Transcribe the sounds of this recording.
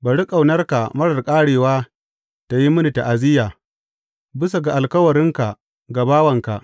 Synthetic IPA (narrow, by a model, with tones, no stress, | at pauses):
ba˨ɽi˦kʼa˨wnɐ˦rka˨mɐ˦ɽɐ˨rkʼaː˦ɽeː˨waː˦ | ta˨ji˦mʊ˦ni˨ta˨ʔa˨zɪ˦jaː˨ | bɪ˦s̬a˨ɡa˨ʔa˨lkɐ˦wɐ˨ɾɪ˦ŋka˨ | ɡa˨baː˦wɐ˨ŋka˨ʔ